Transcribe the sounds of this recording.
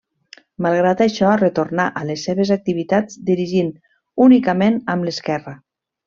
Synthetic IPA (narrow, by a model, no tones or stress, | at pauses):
malˠɣ̞ɾat̪aʃɔrət̪ornaʔəlesːeβezak̚t̪iβit̪ad͡zd̪iɾiʒin | unikəmenəmləskɛrə